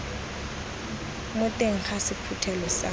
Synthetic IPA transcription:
mʊtʼeŋ̩χasipʰutʰɛlɔsa̰

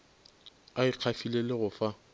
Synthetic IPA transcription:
aɪq͡χʰafilelɪɣʊfa

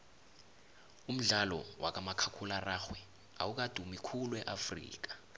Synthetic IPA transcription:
um̩ɮalɔwʔa̰k̬amakʰakʰularaxwɛ | a̰wuk̬ad̥ʱumikʰulwɛʔafrḭːk̬ḁ

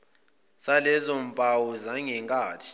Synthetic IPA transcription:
salɛzompʼawɔzaŋɛŋkʼaːtʰi̥

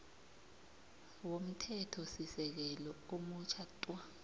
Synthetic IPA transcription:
wom̩tʰɛtʰɔsisɛk̬ɛlɔomut͡ʃʰatʼwa

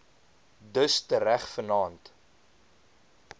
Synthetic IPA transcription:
dəstəɾæχfənɑːnt

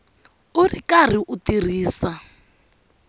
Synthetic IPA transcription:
ʊrikar̤iʔutir̤iːsa

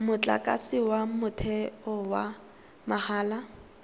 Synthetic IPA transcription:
mʊt͡ɬʼa̰kʼa̰sɪwamʊtʰɛɔwa | mahaːla

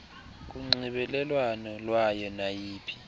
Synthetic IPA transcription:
k̬uŋ͡ǀiɓɛlɛlwanɔlwajɔnajiːpʰi̥

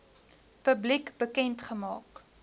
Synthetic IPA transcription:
pəblikbəkɛntχəmɑːk

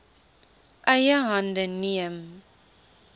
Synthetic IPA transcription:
ʔəjəɦɐndəniəm

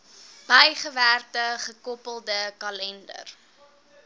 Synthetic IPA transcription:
b̥ɐjχəværtəχəkɔpəlˠdəkɐlɛndə̰r

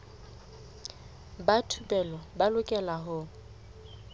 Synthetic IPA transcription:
batʰupʼɛlɔbalʊkʼɛlaɦʊ

